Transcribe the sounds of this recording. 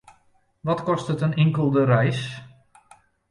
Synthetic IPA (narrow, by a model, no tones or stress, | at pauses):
ʋɔtkɔstətənɪŋkəlˠdəɾɛjs